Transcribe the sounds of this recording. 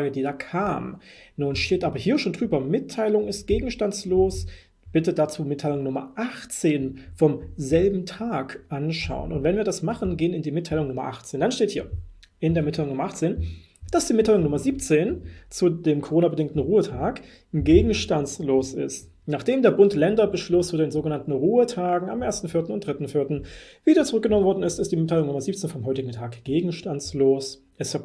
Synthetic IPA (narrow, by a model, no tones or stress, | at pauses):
aɡədiːdaːkʰaːmnuːnʃteːtʔaːbɐɦiːɐʃoːndʁyːbɐmɪtʰːaɪlʊŋɪst̚ɡ̥eːɡŋ̩ʃtansloːs | b̥ɪtədat͡suːmɪtʰːaɪlʊŋnʊmɐ̰ʔaχt͡seːnfɔmzɛlbm̩tʰaːkʔanʃa̰ʊənʔʊ̰ntv̥ɛnviːɐdasmaχən̩ɡeːənɪndiːmɪtʰːaɪlʊŋnʊmɐ̰ʔa̰χt͡seːndanʃteːthiːɐ | ʔɪndeːɐmɪtʰaɪʊŋnʊmɐʔaχt͡seːn | d̥asd̥iːmɪtʰːalʊŋnʊmɐziːp̚t͡seːnt͡sudeːmkʰoʁoːnabədɪŋktn̩ʁuːətʰaːk | ɡeːɡŋ̩ʃtansloːsɪ̰st | naːχd̥eːmdeːɐbʊntlɛndɐbəʃlʊst͡sudeːnzoːɡənantn̩ʁuːətʰaːɡŋ̩a̰mʔeːɐstn̩fɪɐtn̩ʊnt̚d̥ʁɪtn̩fɪɐtn̩v̥iːdɐt͡suʁʏk̚ɡənɔmənvɔɐdn̩ɪstɪstd̥iːmɪtʰːaɪlʊŋnʊmɐziːp̚t͡seːnfɔmɦɔʏtɪɡ̚ŋ̩tʰaːkɡ̥eːɡŋ̩ʃtansloːs | ʔɛsa